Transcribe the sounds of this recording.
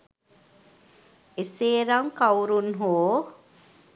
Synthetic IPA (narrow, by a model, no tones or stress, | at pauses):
eseːɾaŋkawɾunɦoː